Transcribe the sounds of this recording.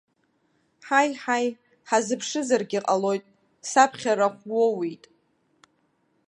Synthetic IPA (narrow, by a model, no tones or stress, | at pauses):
ħajħaj | ħazɨpʰʂɨzarɡʲiqʼalo̞jtʼ | sapʰχʲaɾaχʷwowitʼ